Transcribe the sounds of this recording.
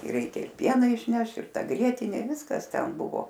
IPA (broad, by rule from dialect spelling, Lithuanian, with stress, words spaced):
ɪr ˈrʲɛɪkʲɛ ɪr ˈpʲiɛnɑː ɪʃʲˈnʲɛʃ ɪr ˈtɐ ˈɡrʲiɛtʲɪnʲeː ˈʋʲɪskɐs ˈtʲɛn ˈbʊʋoː